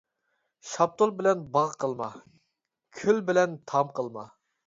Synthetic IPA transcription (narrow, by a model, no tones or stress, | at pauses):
ʃɑp̚t̪ʰolˠbɪlɛnbɑʁqʰəlˠmɑ̰ | kʲʰylbɪlɛnt̪ʰɑmqəlˠmɑ̰